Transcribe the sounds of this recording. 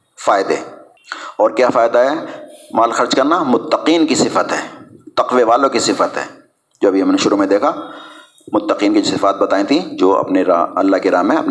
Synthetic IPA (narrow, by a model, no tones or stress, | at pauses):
faːɪd̪e | ɔːɾkjaːfaːɪd̪aɦɛmaːlxɐɾd͡ʒkɐɾnamʊt̪ːəqiːnkisɪfət̪ɦɛːt̪ɐqʋeʋaːlõkisɪfət̪ɦɛ̰ː | d͡ʒoːɐbʱiɦɐmneʃʊɾumẽd̪eːkʰa | mʊt̪ːəqiːnkid͡ʒosɪfaːt̪̚bɐt̪aːẽt̪ʰĩd͡ʒoːɐ̰pneɾɐ̰lːaɦkiɾaːmːẽɐ̰p